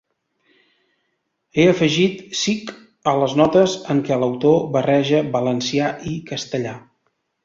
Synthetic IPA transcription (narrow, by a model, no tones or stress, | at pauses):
eəfəʒit̪sik | ələznɔt̪əzəŋkɛləwt̪oβərɛʒəbələnsiaʔikəst̪əʎa